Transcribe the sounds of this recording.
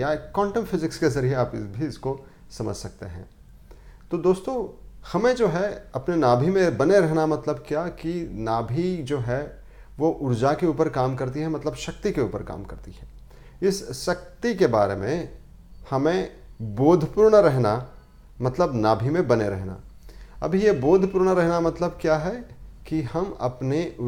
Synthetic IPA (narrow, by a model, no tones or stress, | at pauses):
jakɔ̃ːɳʈəmfɪzɪkskezɐɾijeaːpbʱiɪsko | sɐmə̰d͡ʒʱsɐk̚t̪eɦɛ̃ː | t̪od̪oːst̪õhɐmẽd͡ʒoːɦɛɐpnenaːbʱimẽbɐneɾɛɦnamɐt̪ləbkjaːkinaːbʱid͡ʒoːɦɛ | ʋoʔʊɾd͡ʒakeuːpəɾkaːmkɐɾt̪iɦɛ̃mɐt̪ləbʃɐk̚t̪ikeuːpəɾka̰ːmkɐ̰ɾt̪iɦɛ̰̃ː | ɪsʃɐk̚t̪ikebaːɾḛmḛ̃ | hɐmẽ | boːd̪ʱpʊːɾɽaɾɛɦna | mɐt̪ləbnaːbʱimẽbɐneɾɛ̰ɦna̰ɐ̰bʱijeboːd̪ʱpʊːɾñaɾɛɦnamɐt̪ləb̚kjaːɦɛkihɐmɐ̰pneʊ